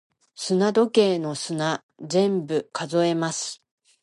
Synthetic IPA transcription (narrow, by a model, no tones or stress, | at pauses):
sɨnad̪o̞ke̞ːno̞sɨna | d͡zẽ̞mbɯ̟kazo̞e̞masɨ̥